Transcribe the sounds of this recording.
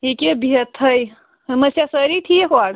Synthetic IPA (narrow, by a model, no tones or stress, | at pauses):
ikebʱijət̪ʰːəj | səməsjasəɾit̪ʰieɦoaɽ